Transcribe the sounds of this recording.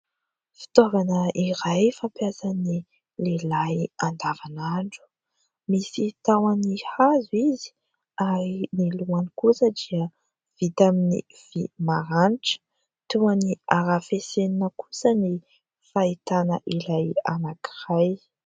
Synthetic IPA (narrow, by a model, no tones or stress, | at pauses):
fi̥t̪ovanəʔiɾajfampjasani | lelajand̪avanaɳɖ͡ʐu̥ | misit̪awanihazuizi̥ | aɾiniluanikusəd̪iə | v̥it̪aminḭ | v̥imaɾaniʈ͡ʂə̥ | t̪uaniaɾafeseninəku̥səni | fait̪anə̰ʔilajanaki̥ɾaj